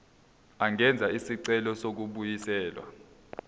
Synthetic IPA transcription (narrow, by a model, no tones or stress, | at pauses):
aŋɛnd͡zʱaisiǀɛlɔsok̬uɓujisɛːlwa̰